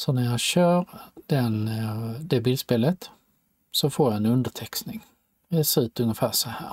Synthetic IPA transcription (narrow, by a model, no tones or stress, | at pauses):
sɔnæɾjɑɡɕøːɾd̪̥ɛnd̪ɛbiːlspeːlət̪ | sɔfoːɾjaɛnɵnd̪əʈʰɛksnɪŋ | sʉːt̪ɵŋːəfæːsɔhæ̰ːɾ